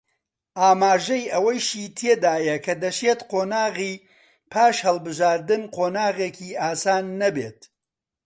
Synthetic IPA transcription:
ʔaːmaːʒɐjʔɐwɐjʃiːt̪ʰeːd̪aːjɐkʰɐd̪ɐʃeːt̪qʰoːnaːɣiː | pʰaːʃhɐlˠbɨʒaːɾd̪ɨnqʰoːnaːɣeːkʰiːʔaːsaːnːɐbḛːt̪̚

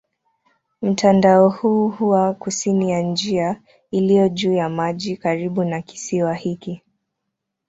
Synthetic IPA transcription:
m̩tʰandaɔhuːhuwakusinijand͡ʒia | ilijɔʄuːjamaʄikaɾiɓunaki̥siwahiki

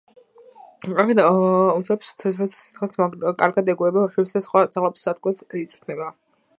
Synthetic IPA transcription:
akɛd̪auʃɾɛpst̪ʰɛt̪ʰɛt̪ʰsi̥t̪χɛlˠskʼaɾɡad̪ɛɡuɛbaaʃwɛpsd̪asχwad̪z̥alˠɛbsːad̪̚ɡwɛt̪it̪sʼnɛba

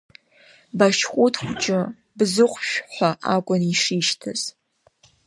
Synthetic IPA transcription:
baʃχʷʼʊtʰχʷʊt͡ʃʼɪ | bzɨqʷʼʃʷᶣħʷaʔakʷʼʊniʂiːʃtʰɐz̥

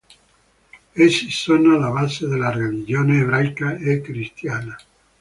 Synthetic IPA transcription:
esːisonoalabazed̪elːarelid͡ʒoːneːβɾajkaekːɾist̪jaːna

